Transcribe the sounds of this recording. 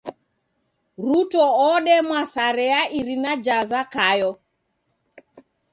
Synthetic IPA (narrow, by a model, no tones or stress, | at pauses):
ɾutɔɔɗɛmwasaɾɛaʔiɾinad͡ʒazakajɔ